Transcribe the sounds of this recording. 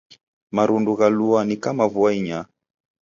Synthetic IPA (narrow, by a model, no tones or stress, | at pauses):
maɾunduɣaluanikamavuaiɲa